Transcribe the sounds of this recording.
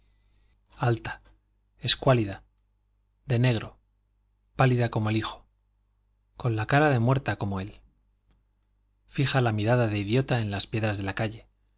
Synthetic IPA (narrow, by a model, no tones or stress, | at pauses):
alt̪ḁ | e̞skwaliða | ðe̞ne̞ɣ̞ɾo̞ | paliðako̞moelixo̞̥ | ko̞nlakaɾaðe̞mwe̞ɾt̪ako̞mo̞e̞l | fixalamiɾaðaðe̞iðjo̞t̪ae̞nlaspje̞ðɾazðe̞lakaʝe̞